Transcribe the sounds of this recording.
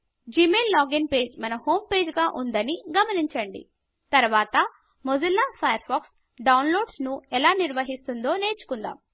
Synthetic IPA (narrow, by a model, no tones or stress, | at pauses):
d͡ʒimeːlːaːɡinpe̞ːd͡ʒmɐnɐho̞ːmpe̞ːd͡ʒɡaːʔund̪ɐniɡɐmɐniɲt͡ʃɐɳɖḭ | t̪ɐɾʋaːt̪ɐ | mod͡ʒɐlːaːpʰɐjɐɾpaːks | ɖɐwnlo̞ːɖsnuɛlaːniɾʋɐɦist̪und̪o̞ːne̞ːt͡ʃu̥kund̪a̰ːm